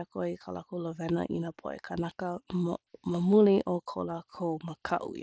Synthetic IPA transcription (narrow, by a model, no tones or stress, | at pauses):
kʰoikʰala̰kulovɛnɐ̰ʔḭnapʰoʔḛkʰanakəmməmuliʔokʰo̰lakʰowməkʰɐ̰ʔṵ